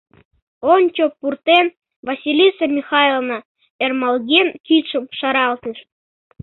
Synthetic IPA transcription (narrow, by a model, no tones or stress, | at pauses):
onʲt͡ɕopːurt̪en | βɑsʲilʲisemʲixɑelˠnɑ | ermɑlɣʲenkit̪ʃə̆mʃɑɾɑlt̪nəʃ